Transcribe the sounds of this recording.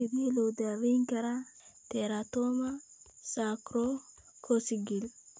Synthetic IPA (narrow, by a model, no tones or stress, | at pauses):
idilod̪awiŋkaɾat̪eɾat̪omasakɾo | kʰosiɡil